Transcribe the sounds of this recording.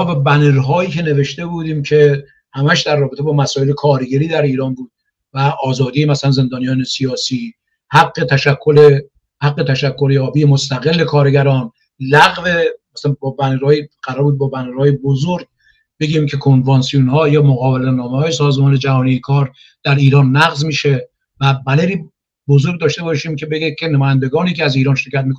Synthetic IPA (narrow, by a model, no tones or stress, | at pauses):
mɔːbæbæneɾɦɒːiːcʰe̞ne̞ve̞ʃt̪e̞buːd̪iːmcʰe̞ | hæmæʃd̪ærːɒːbet̪ʰebɒːmæsɒːele̞kʰɒːɾɡeɾiːd̪æɾiːɾɒːnbuːd̪̥̚ | væʔɒːzɒːd̪iːjemæsælænze̞nd̪ɒːnijɒːnesiɒːsiː | hæɡːet̪ʰæʃækʰːole | hæɡːe̞t̪ʰæʃækʰːoɾjɒːbijemost̪æɣe̞lːe̞kʰɒːɾeɡæɾɒːn | læɣvemæsænbɒːbænɾɒːjiɢ̥æɾɒːɾbuːd̪̚bɒːbænɾɒːjebozoɾɡ | be̞ɡiːmcʰe̞kʰonvɑnsijunhɒːjɒːmoɣɒːbelenɒːmehɒːjesɒːzmɒːned͡ʒæhɒːnijekʰɒːɾ | d̪̥æɾiːɾɒːnːæɣzmiːʃe | væbæleɾiː | bozoɾɡ̚d̪ɒːʃt̪e̞bɒːʃiːmkʰe̞be̞ɡekʲʰenæmɔːjænd̪eɡɒːniːcʰeæziːɾɒːnʃe̞ɾcʰæt̪mikʰo